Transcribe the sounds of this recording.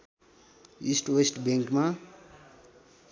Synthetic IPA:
isʈwesʈbeŋkma

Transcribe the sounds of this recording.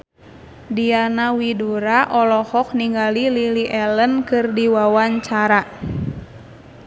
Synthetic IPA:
dianawiduɾaʔɔlɔhɔk̚niŋɡalililiʔɛlənkɨrdiwawaɲt͡ʃaɾa

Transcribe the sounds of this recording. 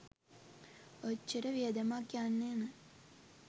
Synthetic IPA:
ot͡ʃːəɾəʋijəd̪əmakːjanːeːmə

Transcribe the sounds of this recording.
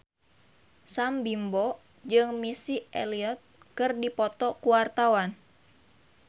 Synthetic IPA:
sambimbɔ | d͡ʒɨŋmisiḛliɔt̪̚ | kɨrdipɔt̪ɔkuwart̪awan

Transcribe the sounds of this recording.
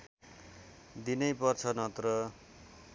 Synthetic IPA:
d̪inʌjpʌrt͡sʰʌnʌt̪rʌ

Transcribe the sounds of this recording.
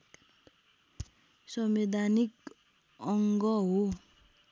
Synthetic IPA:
sʌmed̪ʱanik | ʌŋɡʌɦo

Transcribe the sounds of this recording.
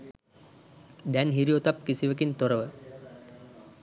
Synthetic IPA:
d̪ænɦiɾiot̪ap̚kisiʋəkint̪oɾəʋə

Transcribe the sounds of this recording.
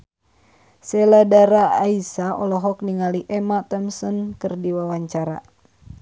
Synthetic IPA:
sɛladaɾaaisaɔlɔɦɔk̚niŋaliʔɛmat̪ɔmsɔnkɨrdiwawaɲt͡ʃaɾa̰

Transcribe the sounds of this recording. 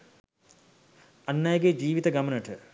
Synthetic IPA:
ɐnːajəɡed͡ʒiːʋit̪əɡamənəʈə

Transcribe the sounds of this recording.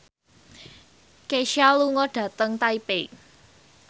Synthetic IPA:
keʃialuŋɔɖ̥ä̤t̪əŋt̪aipe

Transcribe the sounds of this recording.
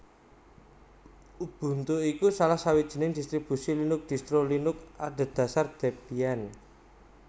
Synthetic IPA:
ub̥ṳnt̪oikusalahsawid̥ʒ̥i̤nɪŋd̪̥ist̪ɾib̥ṳsilinʊk̚d̪̥i̤st̪ɾolinʊk̚ad̪̥ə̤d̪̥ä̤sard̪̥e̤bian

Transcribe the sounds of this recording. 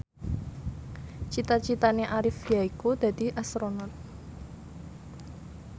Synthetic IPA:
t͡ʃit̪at͡ʃit̪aneʔaɾɪfjaikud̪̥ä̤d̪̥i̤ʔasɾonɔt̪̚

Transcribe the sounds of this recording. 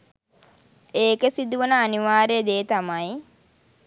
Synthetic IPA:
eːkəsid̪uʋənəːniʋaːɾed̪eːt̪amaj

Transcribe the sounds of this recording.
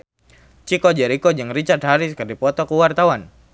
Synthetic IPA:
t͡ʃikɔd͡ʒɛɾikɔd͡ʒɨŋrit͡ʃart̪̚ɦaɾiskərdipɔt̪ɔkuwart̪awan

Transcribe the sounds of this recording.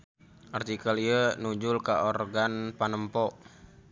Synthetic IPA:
ʔart̪ikəliənud͡ʒulkaʔɔrɡanpanəmpɔʔ

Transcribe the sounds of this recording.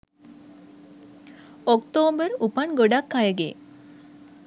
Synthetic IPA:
ɔkt̪oːbəɾupaɳɡoɖakːajəɡḛ

